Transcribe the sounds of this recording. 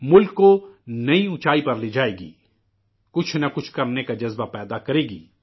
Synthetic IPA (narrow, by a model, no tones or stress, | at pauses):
mʊlkːonɐĩʊt͡ʃaːipɐɾliːd͡ʒaːeːɡḭː | kʊt͡ʃʰnɐkʊt͡ʃʰkɐɾnekad͡ʒɐzbapɛːd̪akɐɾeːɡiː